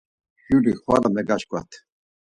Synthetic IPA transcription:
juɾiχwaɾamɛɡaʃkʼwa̰t̪ʰ

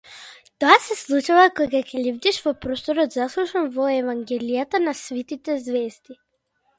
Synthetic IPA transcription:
t̪ɔasɛslˠut͡ʃuvakɔjɡakʲɛlivd̪iʃvɔpɾost̪ɔɾɔd̪zaslˠuʃanvɔɛvaŋɡɛlijat̪anasvit̪it̪ɛzvɛzd̪i

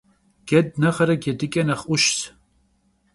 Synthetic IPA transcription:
ɡ̥ɛd̪̚nɐχɐɾɐɡʲɛd̪ɨkʲʼɐnɐχʊʃs

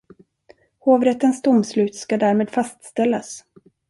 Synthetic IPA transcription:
hoːvɾɛt̪ːənst̪ʊmslʉ̟ːt̪skad̪æːɾmeːd̪fast̪st̪ɛlːas

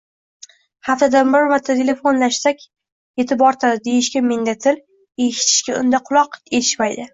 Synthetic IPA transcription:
haft̪ad̪anbaɾvat̪ʰːat̪ʰele̞fo̞nlaʃsakʲ | e̞t̪ʰɪbɒɾt̪ʰad̪ɪd̪e̞jɪʃkʲameŋd̪at̪ʰɪl | e̞ʃɪ̥t̪ʰɪ̥ʃkʲaʊ̰nd̪aqʰʊlˠɒqe̞t̪ʰɪ̥ʃmajd̪ɪ

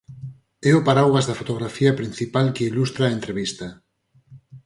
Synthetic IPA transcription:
ɛʊpaɾawɣazðɐfot̪oɣɾafiɐpɾin̟θipalkeilust̪ɾaːent̪ɾeβist̪ɐ

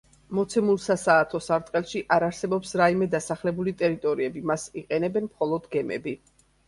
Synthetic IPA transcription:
mɔt̪sʰɛmulˠsasaːt̪ʰɔsaɾt̪ʼqʼɛlˠʃiʔaɾaɾsɛbɔpsɾaimɛd̪asaχlɛbulit̪ʼɛɾit̪ʼɔɾiɛbimasiqʼɛnɛbɛnmχɔlˠɔd̪ɡɛmɛ̰bi

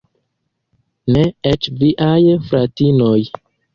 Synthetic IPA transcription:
neet͡ʃviʔajfɾatinoj

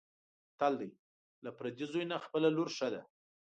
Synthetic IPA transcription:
t̪ald̪aj | lapɾad̪izojnaxpəlaloɾʂəd̪a

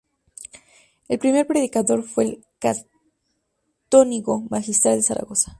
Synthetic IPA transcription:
e̞lpɾime̞ɾpɾe̞ðikaðo̞ɾfwe̞ːl | ka | t̪oniɣo̞maxist̪ɾald̪e̞saɾa̰ɣo̞sḁ

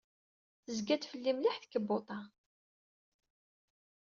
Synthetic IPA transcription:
əzɡæt̪fəlːimliħθə̥kːəbːot̪ˤɑ

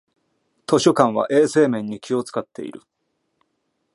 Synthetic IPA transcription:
t̪o̞ɕo̞kãɰ̃βa̰ʔe̞ːse̞ːmẽ̞ɲ̟ːikʲio̞t͡sɨ̥kat̪ːe̞̰ḭɾɯ̟̰

